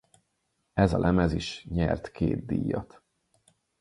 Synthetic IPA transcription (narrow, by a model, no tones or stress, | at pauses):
ɛzɒlʔɛmɛziʃɲɛrt̪keːd̪̚d̪iːjːɒt̪